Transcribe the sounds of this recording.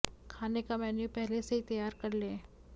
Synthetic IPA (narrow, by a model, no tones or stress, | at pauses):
kʰaːnekamɛːnjupɛɦleseɦit̪ɐjaːɾkɐɾlẽː